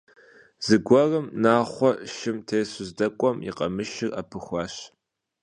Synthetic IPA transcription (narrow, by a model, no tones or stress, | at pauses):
z̥ɨɡʷɐrɨmnaːχʷɔʃɪmtʰeːjɕʊzdɐkʷʼɔmjḭqɐmɨʃɪrapʰɨxʷɑːɕ